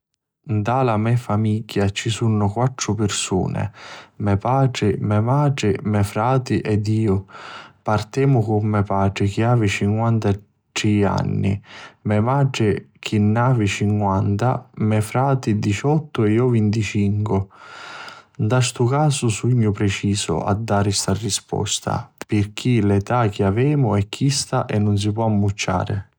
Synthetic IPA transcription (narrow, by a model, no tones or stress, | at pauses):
nd̪alamɛfamiɟːat͡ʃisunːʊkwat̪ːɾʊpɪrsṵːnɛ̰mɛpaːɖɾɪmɛmaːɖɾɪmɛfɾaːt̪iʔɛd̪iːʊpart̪ɛːmʊkʊmːɛpaːʈɾɪk̟iaːvit͡ʃiŋkwant̪a | ʈɾia̰nːḭmɛmaːɖɾɪk̟ʰinːaːvit͡ʃiŋkwant̪a̰mɛfɾaːt̪id̪it͡ʃɔt̪ːʊɛjɔvint̪it͡ʃiŋkʊ | nd̪aʃt̪ʊkaːsʊsuiɲːʊpɾɛt͡ʃiːsʊ̰a̰d̪ːaːɾɪst̪arːispɔ̰st̪ʰa̰pɪrk̟ʰilɛt̪ak̟ʰɪavɛːmʊɛkʰːist̪aʔɛnːʊns̬ipwɔamːut͡ʃːa̰ːɾɪ̰